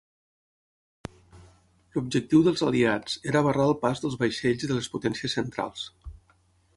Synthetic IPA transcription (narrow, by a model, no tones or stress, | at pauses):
lub̚d͡ʒək̚t̪iwðəlˠzəliat͡seɾəβəraəlˠpazðəlˠzβəjʃeʎziðələsput̪ɛnsiəsənt̪ɾa̰lˠs